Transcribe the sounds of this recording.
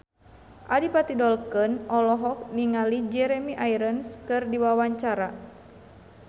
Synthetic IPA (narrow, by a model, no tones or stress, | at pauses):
ʔadipat̪idɔlkɨnɔlɔɦɔk̚niŋalid͡ʒɛɾɛmiʔajɾənskɨrdiwawaɲt͡ʃaɾa